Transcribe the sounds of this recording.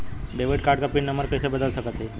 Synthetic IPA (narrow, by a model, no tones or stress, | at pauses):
beʋəʈkaɾɖkapinːəməɾpɛsebəd̪əlsəkət̪ɦe